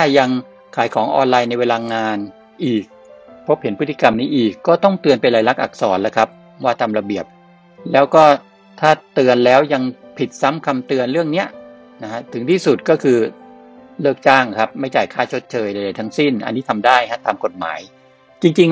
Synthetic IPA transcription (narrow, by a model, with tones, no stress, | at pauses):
aː˥˩ja˧ŋ | kʰaː˩˦jkʰɔː˩˦ŋʔɔ̰ː˧nlaː˧jna˧jweː˧laː˧ŋaː˧n | ʔiː˨˩k̚pʰo˦˥p̚he˩˦npʰɯ˦˥t̪ːʰi˧ka˧mniː˦˥ʔiː˨˩kːɔː˥˩t̪ɔ˥˩ŋt̪ɯ˧ənpa˧nlaː˨˧jla˦˥k̚ʔa̰˨˩k̚sɔː˩˦nla˦˥kʰa˦˥p̚ | waː˥˩t̪aː˧mɾa˧bi˨˩əp̚ | lɛː˦˥wkɔː˥˩ | t̪ʰaː˥˩t̪ɯ˧ənlɛː˦˥wja˧ŋpʰi˨˩t̪̚sa˦˥mkʰa˧mt̪ɯ˧ənɾɯ˥˩əŋni˦˥ɐ | na˦˥kʰa˦˥t̪ʰɯ˩˦ŋt̪ʰiː˥˩su˨˩t̪̚kɔː˥˩kʰɯː˧ | lɤː˥˩k̚t͡ɕaː˥˩ŋkʰa˦˥p̚ma˥˩jt͡ɕaː˨˩jkʰaː˥˩t͡ɕʰo˦˥t̪̚t͡ɕʰɤː˧jda˨˧˩jda˧˩jt̪ʰa˦˥ŋsi˥˩nʔa̰˧nːiː˦˥t̪ʰa˧mdaː˥˩jkʰa˦˥t̪aː˧mko˨˩t̪̚ma̰ː˩˦j | t͡ɕi˧ŋt͡ɕi˧ŋ